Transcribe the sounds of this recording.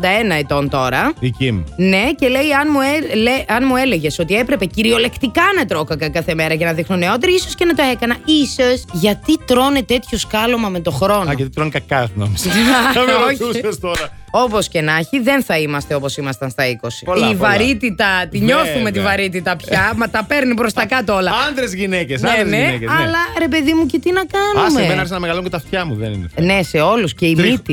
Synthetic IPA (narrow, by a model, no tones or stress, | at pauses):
d̪ɐe̞nɐet̪o̞nt̪o̞ɾɐðicimne̞ce̞le̞jɐnmueleɐnmue̞le̞ʝe̞so̞t̪ie̞pɾe̞pe̞ciɾio̞le̞kt̪ikɐnɐt̪ɾo̞kɐkɐkɐθe̞me̞ɾɐʝɐnɐðixnone̞o̞t̪eɾiiso̞scenɐt̪oe̞kɐnɐisosʝɐt̪it̪ɾo̞net̪e̞t̪ço̞skɐlomɐme̞t̪o̞xɾo̞nɐt̪it̪ɾonkɐkɐnɐ̰misɐost̪oɾɐ | o̞po̞sce̞nɐçiðe̞nθɐimɐst̪eo̞po̞simɐst̪ɐnst̪ɐiko̞sipolivɐɾit̪it̪ɐt̪iɲo̞θume̞t̪ivɐɾit̪̬it̪ɐpçɐmɐt̪ɐpe̞ɾnipɾo̞st̪ɐkɐt̪oolɐɐnd̪ɾezʝinecesneneeeɐlɐɾe̞p̬e̞ðimucet̪inɐkɐnusmemenɐɐɾçsɐnɐmeɣɐlocet̪ɐft̪çɐmuðḛnḭnḛnese̞o̞lusce̞imit̪i